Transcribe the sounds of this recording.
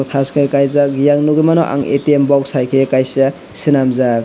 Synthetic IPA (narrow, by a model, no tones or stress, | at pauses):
t̪ʰaskɯɾkajzakjaŋnuɡimanɔʔa̰ŋḛtiembɔkshajkʰekajsa | sinamzak̚